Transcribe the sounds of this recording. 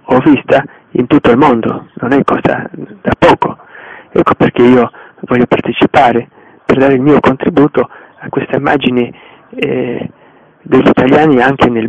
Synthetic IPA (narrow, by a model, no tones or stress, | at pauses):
ɔvːist̪a | ḭnt̪ut̪ːoilmond̪o̰nonɛkʰːɔːza̰d̪̥apːɔːkoɛkːoperk̟eiːovɔʎːopart̪et͡ʃipaːɾe | perd̪aːɾeilmiːokont̪ɾibuːt̪o | akːwest̪aimːa̰ːd͡ʒine | d̪eʎːit̪aljaːniaŋk̟enel